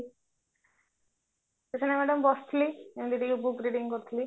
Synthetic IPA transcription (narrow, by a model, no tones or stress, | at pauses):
t̪et͡ʃʰanamɛɖəmbɔst̪ʰiliemd̪iʈikebukɾiɖiŋkoɾt̪ʰili